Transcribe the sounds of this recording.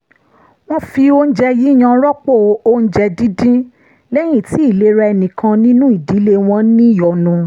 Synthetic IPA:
w̃ɔ̃˦fi˧o˦n̩˦d͡ʒɛ˧ji˨˦˨j̃ã˧˦ɾɔ˦k͡po˦˨˦o˦n̩˦d͡ʒɛ˧dĩ˦dĩ˦ | lɛ˦j̃ĩ˦˨ti˨˦i˦˨le˨˦ɾɛ˧ɛ˧nĩ˨kã˧nĩ˦nũ˦i˦˨di˨˦le˦w̃ɔ̃˧˦nĩ˦jɔ˨nũ˧

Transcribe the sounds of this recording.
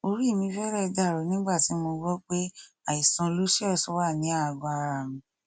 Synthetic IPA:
o˧ɾi˦˨mĩ˧fɛ˦ɾɛ˦˧da˦˨ɾɔ˨˦nĩ˦ɡ͡ba˦˨ti˨˦mo˧ɡɔ˦k͡pe˦ | a˨i˨sã˨˧lu˦ʃi˦ɔ˦˨sɔ˨˦wa˦˨nĩ˨˦a˦˨ɡa˧a˧ɾa˨mĩ˨

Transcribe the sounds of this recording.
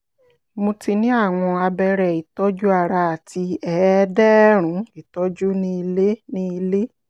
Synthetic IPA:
mõ˧ti˧nĩ˦a˦˨w̃ɔ̃˧a˧bɛ˧ɾɛ˨i˨tɔ˦d͡ʒu˦a˦˨ɾa˧a˨ti˧ɛ˨˦dɛ˦ɾ̃ũ˨˦i˨tɔ˦d͡ʒu˦nĩ˦i˧le˦nĩ˦i˧le˦

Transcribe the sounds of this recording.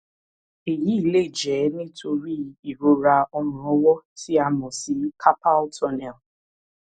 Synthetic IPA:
e˨ji˨˦i˨le˦˨d͡ʒɛ˨˦nĩ˦tʰo˧ɾi˦i˨ɾo˨ɾa˧ɔ˧mʊ̃˨ɔ˦wɔ˦ti˦a˧mɔ̃˨si˨˦kʰa˦pa˦ltɔ˧˦nɛ˨l

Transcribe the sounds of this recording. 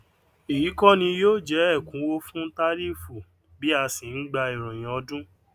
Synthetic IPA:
i˨ji˨˦kɔ˦nĩ˧joː˦˨d͡ʒɛ˨˦ɛ˦˨kũ˨˦wo˦fũ˦ta˦ɾi˦fu˨ | bi˦a˧sĩ˨n̩˦ɡ͡ba˧i˨ɾ̃ũ˨j̃ã˨ɔ˧dũ˦

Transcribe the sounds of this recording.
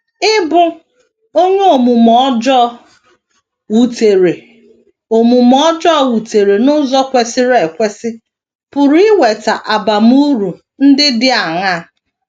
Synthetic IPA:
ɪ˦bʊ˦ | o˦ɲe˦o˨mu˨mɔ˦d͡ʒɔ˦ | wu˨te˨ɾe˨ | o˨mu˨mɔ˦d͡ʒɔ˦˨wu˨te˨ɾe˨nʊ˦zɔ˦kʷe˨sɪ˦ɾe˨kʷe˦sɪ˦ | pʊ˨ɾu˨˦ɪ˦we˨ta˨ʔa˨ba˨m˦u˦ɾu˨ | n̩˦dɪ˦dɪ˦a˨ŋa˦˨

